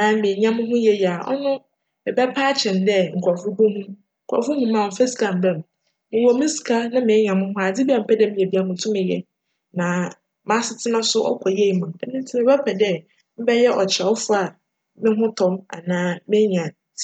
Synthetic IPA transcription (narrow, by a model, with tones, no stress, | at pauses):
nã˨mɪ̃˨ɲã˦mʊ̃˦ɦʊ̃˦jɛ˦ja˨ɔ̰˦nʊ̃˦ | mɪ˨bɛ˦pʰaː˦t͡ɕʰɛ̃˨ndɛ˦ŋ̩˨kʰʷɔ˨fʊ˦bu˦hũ˦ | ŋ̩˨kʰʷɔ̰˨fʊ˦hũ˦mã˦˨m̩˨fɛ˦si̥˨kʰa˨m̩˨bɛ˦m˨ | mɪ̃˨wɔ˨˦mɪ̃˦si̥˨kʰa˦nã˦mɪ̃˨˦ɲã˨mʊ̃˦hʊ̃˦a˨d͡zɪ˦bi˦a˨m̩˦pʰɛ˦dɛ˦˨mɪ̃˨e˨bi˨˦a˨mʊ̃˨tʰũ˦mɪ̃˨jɛ̰˨ | nã˨ | mã˦sɪ˨tʰɪ˦nã˦sʊ˦ʔɔ̰˦kʷʰɔ˨je˦i˨mã˨ɛ˦nɪ̃˦n˦tʰɪ˦ɪ̃˦bɛ˦pʰɛ˨dɛ˦ | m̩˦bɛ˦jɛ˦ʔɔ˨t͡ɕʰɛ˨ɔ˦fʊ˦a˨ | mɪ̃˦ɦʊ̃˦tʰɔ̃˨ma̰˨nãː˦mɪ̃˦ɲã˨